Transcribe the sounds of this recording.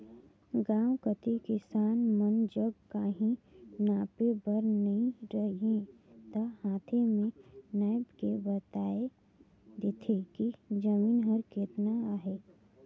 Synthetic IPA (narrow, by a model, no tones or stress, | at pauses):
ɡãːwkət̪ikɪsaːnmənd͡ʒəɡkaːɦĩnaːpebəɾnəɦĩɾəɦiẽt̪ahaːt̪ʰemẽnaːjbkebət̪aːe | d̪ɪt̪ʰekid͡ʒəmiːnɦəɾkeːt̪naaːɦeː